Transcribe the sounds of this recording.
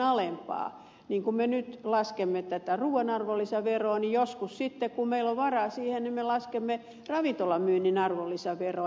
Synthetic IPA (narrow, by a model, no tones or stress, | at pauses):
ɑlempɑ̰ː | niːŋkumenyt̪lɑskemːet̪æt̪æruːɑnɑrʋolːisɑʋeroːnijoskussit̪ːekkummeiloʋʋɑrɑːsiːhennimmelɑskemːe | rɑʋint̪olɑmyːnːinɑrʋolːisɑʋeroˑ